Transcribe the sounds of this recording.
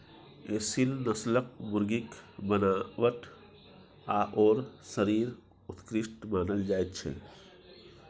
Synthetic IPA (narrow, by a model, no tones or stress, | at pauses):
esilnəslək̚mʊɾɡikbənaːʋəʈ | aʔɔːɾsəɾiːɾ | ʊt̪kɾɪʃʈmaːnəld͡ʒaːet̪t͡ʃʰɛ̰